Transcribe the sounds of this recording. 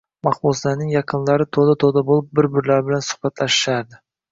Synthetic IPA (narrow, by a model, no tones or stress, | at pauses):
mɑχbʊzlaɾnɪŋjɑqʰɨnlaɾɪt̪ʰod̪at̪ʰod̪abolˠɪp̚bɪɾbɪɾlaɾbɪlansʊ̥χbat̪ʰlaʃɪ̥ʃaɾd̪ɪ